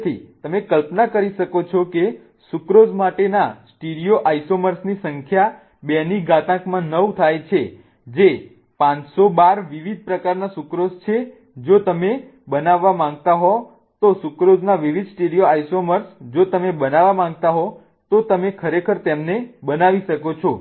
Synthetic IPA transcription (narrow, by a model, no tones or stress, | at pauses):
t̪ʰit̪əmekəlpnakəɾiʃəkot͡ʃʰɔke | sukɾod͡ʒmaʈenasʈeɽijoʔajsoməɾsnisəŋkʰja | bɛniɡat̪ãkmãnət̪ʰajt͡ʃʰe | d͡ʒe | pãt͡ʃsobaɾʋiʋid̪̚ʱpɾəkaɾnasukɾod͡ʒt͡ʃʰe | d͡ʒot̪əme | bənaʋːamãŋɡt̪aɦɔ | t̪osukɾod͡ʒnaʋiʋid̪sʈeɽijoajsoməɾsd͡ʒot̪əmebənaʋamãŋɡ̚t̪aɦɔ | t̪ot̪əmekʰəɾekʰəɾt̪emnebənaʋiʃəkot͡ʃʰɔ